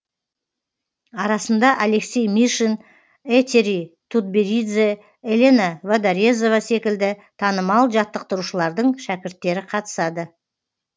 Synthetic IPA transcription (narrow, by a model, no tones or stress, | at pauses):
ɑɾɑsənd̪ɑʔale̞ksʲejmiʃen | et̪ʲeɾit̪ʰud̪̚beɾid̪ze | elʲe̞navad̪aɾe̞zo̞vase̞kʲɪld̪ɪt̪ʰɑnəmɑlˠʒɑt̪ːəq̚t̪əɾuʃəlˠɑɾd̪əɴʃækʲɪɾt̪ːe̞ɾɪqʰɑt̪ə̥sɑd̪ə